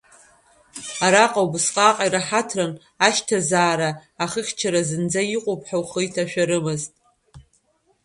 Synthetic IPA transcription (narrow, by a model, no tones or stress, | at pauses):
aɾaqʼawbɨsqʼaqʼaiɾaħatʰran | aʃtʰazaːɾaːχəχʲt͡ʃʰaɾazɨnd͡zaiqʷʼopʰʼħawχɨjtʰaʃᶣaɾɨmɨztʼ